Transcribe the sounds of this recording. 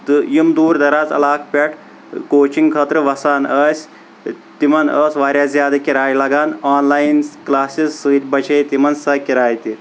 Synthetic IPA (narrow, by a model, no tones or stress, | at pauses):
t̪ɨjimd̪uːɾd̪ɐɾaːzɐ̰laːkʰpʲeʈʰ | koːt͡ʃiŋɡkʰɐt̪ɾɨʋɐsaːnɐːsʲ | t̪imɐnəːsʋaːɾʲjaːzʲjaːd̪ɐkʲiɾaːjlɐɡaːnaːnlaːjnklaːsisːɨːt̪ʲbɐt͡ʃʰeːjt̪imɐnsɐkʲiɾaːjt̪i